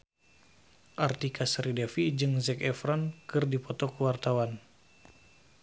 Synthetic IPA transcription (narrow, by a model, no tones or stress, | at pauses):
ʔart̪ikʰasɾidɛfid͡ʒɨŋzɛkɛfɾɔnkɨrdipɔt̪ɔkuwart̪awan